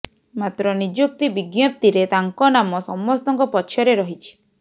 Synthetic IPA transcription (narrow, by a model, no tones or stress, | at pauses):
mat̪ɾɔnid͡ʒuk̚t̪ibiɡjap̚t̪iɾet̪aŋkɔnamɔsɔmːɔst̪ɔŋkɔpɔt͡ʃʰjɔɾeɾɔɦit͡ʃʰi̥